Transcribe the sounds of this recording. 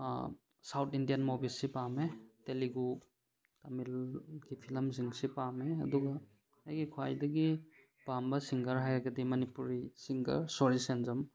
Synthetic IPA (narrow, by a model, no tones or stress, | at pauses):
sawtʰindijɐnmobilsipameteliɡu | tamilɡipʰilɐmziŋsipameɐ̰duɡɐ | hajɡikʰwajdɐɡi | pambɐsiŋɡɐɾɦajɾɐɡɐdimɐnipuɾisiŋɡɐ̰ɾsoɾisenzɐm